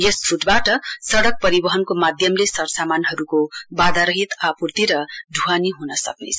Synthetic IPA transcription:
jest͡sʰuʈbaʈʌsʌɽʌk̚pʌɾibʌɦʌnkomad̪ʱjʌmlesʌɽsamanɦʌɾukobad̪aɾʌɦit̪apurt̪iɾʌɖʱuɦaniɦunʌsʌ̰knḛt͡sʰʌ

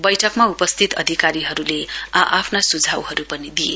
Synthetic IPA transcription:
bʌjʈʰʌkmaupʌst̪ʰit̪ʌ̰d̪ʱikaɾiɦʌɾuleʔapʰnasud͡zʱawɦʌɾupʌnid̪ije

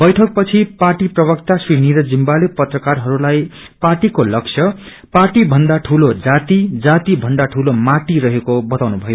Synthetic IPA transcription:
b̥ʌjʈʰʌk̚pʌt͡sʰiparʈiprʌbʌkt̪asriniɾʌd͡zimbalepʌt̪rʌkarɦʌɾulaj | parʈikolʌkt͡sʰʌ | parʈibʱʌnd̪aʈʰulod͡zat̪id͡zat̪ibʱʌnd̪aʈʰulomaʈiɾʌɦekobʌt̪awnubʱʌjo

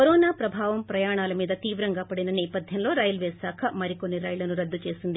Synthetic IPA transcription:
koɾɔːnaːpɾɐbʱaːʋɐmpɾɐjaːɳaːlɐmiːd̪ɐt̪iːʋɾɐŋɡaːpɐɽinɐnɛːpɐd̪ʱjɐmlo̞ːɾɐjlʋeːsaːkʰɐmɐɾikonːiɾɐjlɐnuɾɐd̪ːut͡ʃe̞ːsind̪i

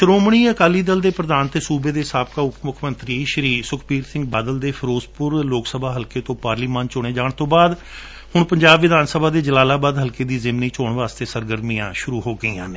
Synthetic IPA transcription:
ʃəɾoːmɳ̃iːəkaːliːd̪əld̪eːpɾəd̪aːnt̪eːsuːbeːd̪eːsaːpkaːʊkmʊkʰmənt̪ɾiːʃɾiːsʊkʰpiːɾsɪ̃ŋɡ̚baːd̪əld̪eːpʰəɾoːspʊɾloːksəbʱaːɦəlkeːt̪õːpaːɾliːmaːnt͡ʃoɽ̃eːd͡ʒaːɳt̪õːbaːd̪ | hʊɳpəɲd͡ʒaːbʋɪd̪ʱaːnsəbʱaːd̪eːd͡ʒəlaːlaːbaːd̪ɦəlkeːd̪iːzɪmniːt͡ʃoːɳʋaːst̪eːsəɾɡəɾmijã̰ːʃʊɾuːɦoːɡəiːã̰ːneː

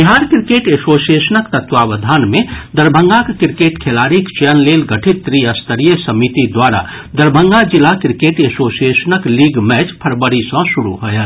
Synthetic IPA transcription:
biɦaːɾkɾikeːʈesosiesənəkt̪ət̪ʋaʋəd̪ʱaːnmẽd̪əɾbʱə̃ŋɡakekɾikeːʈkʰelaːɾikt͡ʃənleːlɡəʈʰit̪ːɾiəst̪əɾijəsəmit̪id̪waɾa̰ | d̪əɾbʱə̃ŋɡad͡ʒilakɾikeːʈesosiesənəkliɡmɛt͡ʃpʰəɾbəɾisɔ̃suɾuɦojə

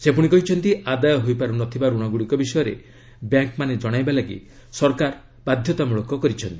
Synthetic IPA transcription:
sepuɽ̃ikɔɦit͡ʃʰɔnt̪iad̪ajɔɦojpaɾunɔt̪ʰibaɾuɽ̃ɔɡuɽikɔbisɔjɔɾḛ | bjaŋkmaned͡ʒɔɽ̃ajbalaɡḭ | sɔɾkaɾ | b̥ad̪ʱjɔt̪amuɭɔkɔkɔɾit͡ʃʰɔnt̪i̥

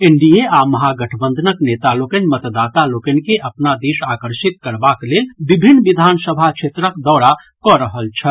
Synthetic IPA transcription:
eɳɖijeaməɦaɡəʈʰəbənd̪ʱənəknet̪alokənmət̪d̪at̪alokənkeʔəpnad̪isakəɾsit̪̚kəɾbaklelbibʱinːbid̪ʱansəbʱakt͡ʃʰet̪ɾəkd̪ɔːɽa | kɔɾəɦəlt͡ʃʰə

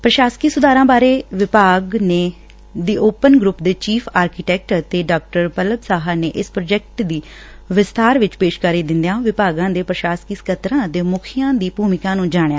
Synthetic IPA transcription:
pɾəʃaːskiːsʊd̪aːɾãːbaːɾeːʋɪpaːɡneː | d̪iːoːpənɡɾuːpd̪eːt͡ʃiːpʰaːɾkiʈɛːk̚ʈt̪eːɖaːk̚ʈəɾpələbsaːɦaneːʔɪspɾoːd͡ʒɛk̚ʈd̪iː | ʋɪst̪aːɾʋɪt͡ʃpeːʃkaɾiːd̪ɪnd̪jãːʋɪpaːɡãːd̪eːpɾəʃaːskiːskət̪ɾãːd̪eːmʊkʰɪjãːd̪iːpuːmɪkãːnũːd͡ʒaːɽ̃ja̰ː

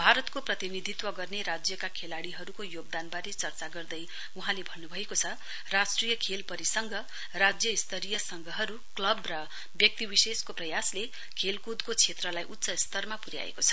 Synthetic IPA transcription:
bʱaɾʌt̪koprʌt̪inid̪ʱit̪wʌɡʌrneɾad͡zjʌkakʰelaɽiɦʌɾukojoɡ̚d̪anbaɾet͡sʌrt͡saɡʌrd̪ʌj | uɦãlebʱʌnːubʱʌekot͡sʰʌ | rasʈrijʌkʰelpʌɾisʌŋɡʌ | rad͡zjʌist̪ʌɾijʌsʌŋɡʱʌɦʌɾu | klʌbrʌ | bjʌk̚t̪ibiseskoprʌjasle | kʰelkud̪kot͡sʰet̪rʌlajʔut̪ːsʌist̪ʌrmapuɾja̰ḛkot͡sʰʌ̥

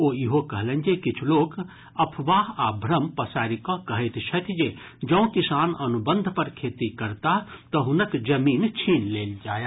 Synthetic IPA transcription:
oːjiɦokəɦlə̃nd͡ʒekɪt͡ʃʰloːk | ɐpʰʋaːɦaːbʱɾəmpɐsaːɾikɔ̃kɐɦət̪t͡ʃʰɐt̪ʰd͡ʒeː | d͡ʒɐ̃ũkɪsaːnɐnubə̃nd̪ʱpəɾkʰeːt̪ikɐɾt̪aɦt̪ɔɦʊnəkd͡ʒɐmiːnt͡ʃʰiːnleːld͡ʒaːja

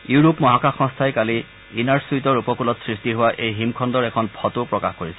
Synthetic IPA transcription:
juɹopmɔɦakaxɔ̃stʰajkali | inaɹsuitɔɹupɔkulɔtsɹistiɦʊwaʔejɦimkʰɔndɔɹɛkʰɔnpʰɔtupɹɔkaxkoɹisɛ

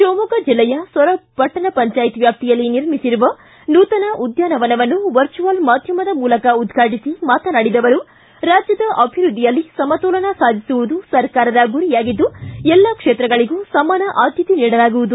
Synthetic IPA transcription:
ʃoːmukɐd͡ʒilːɛjɐsʋɐɾɐbʱɐʈːɐnɐpɐɲt͡ʃaːjt̪ʋjaːp̚t̪ijɐlːiniɾmisiɾuʋɐ | nuːt̪ɐnɐʔud̪ʱjaːnɐʋɐnɐʋɐnːuʋɐɾt͡ʃuʋɐlmaːd̪ʱjɐmɐd̪ɐmuːlɐkɐud̪ɡʰʱaːʈisimaːt̪ɐnɐɽid̪ɐʋɐɾu | ɾaːd͡ʒjɐd̪ɐʔɐbʱiɾud̪ʱːijɐlːisɐmɐt̪ɔːlɐnɐsaːd̪ʱisuʋud̪usɐɾkaːɾɐd̪ɐɡuɾijaːɡid̪ːuɛlːaːkʂeːt̪ɾɐɡɐɭiɡuːsɐmaːnɐʔaːd̪ʱjɐt̪iniːɽɐlaːɡuʋud̪u

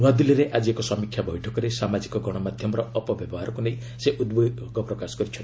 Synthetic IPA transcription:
nad̪uliɾeʔad͡ʒiekɔsɔmikʰjabɔjʈʰɔkɔɾesamad͡ʒikɔɡɔɽ̃ɔmad̪ʱjɔmɔɾɔːpɔbjɔbɔɦaɾɔkunej | seʔud̪be | ɡɔpɾɔkasɔ̥ɡɔɾit͡ʃʰɔni

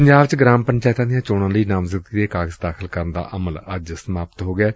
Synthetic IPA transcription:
pəɲd͡ʒaːbt͡ʃɡɾaːmpəɲt͡ʃaːɪt̪ãːd̪ijãːt͡ʃoːɽãːləiːnãːmzəd̪ɡiːd̪eːkaːɡəzd̪aːkʰəlkəɾənd̪a̰ːʔəmələd͡ʒsəmaːpət̪ɦoːɡɪaː

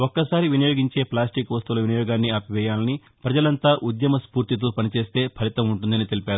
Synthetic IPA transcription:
ɔkːɐsaːɾiʋinɐjo̞ːɡiɲt͡ʃe̞ːplaːsʈikʋɐst̪uːlɐʋinɐjɔːɡaːnːiaːpiʋɛːjaːlɐni | pɾɐd͡ʒɐlɐnt̪aːʔud̪jɐmɐspuːɾt̪it̪̬oːpɐnit͡ʃe̞ːst̪e̞ːpʰɐlit̪ɐmuɳʈund̪ɐnit̪e̞lipeːɾu

